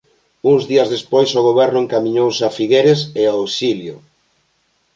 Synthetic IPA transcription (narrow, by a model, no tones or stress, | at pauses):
uŋzðiɐzðespojsoɣ̞oβ̞ɛɾnʊeŋkamiɲowsafiɣeɾeseaawsiljʊ